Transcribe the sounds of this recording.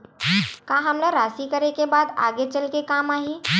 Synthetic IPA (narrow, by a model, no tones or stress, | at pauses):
kaɦəmləɾaːsikəɾekebaːd̪a̰ɡet͡ʃəlkekaːmaːɦi